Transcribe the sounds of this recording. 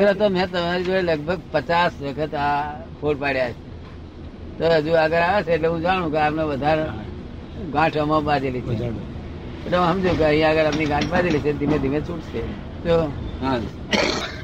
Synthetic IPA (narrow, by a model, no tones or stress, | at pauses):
əɡɾat̪omjãt̪əmaɾid͡ʒoɽeləɡbʱəɡ̚pət͡ʃasʋəkʰət̪akʰoɽpaɽjat͡ʃʰe | t̪od͡ʒuəɡəɾaʋet͡ʃʰeːʈleɦũd͡ʒaɽ̃ũkeapneʋəd̪ʱaɾ | ɡãːʈʰomãbãd͡ʒelit͡ʃʰe | eʈlẽɦəmd͡ʒokeəɦĩjãəɡəɾəpniɡãːʈʰbãd͡ʒelit͡ʃʰed̪ʱimẽd̪ʱimẽt͡ʃũʈse | t̪oa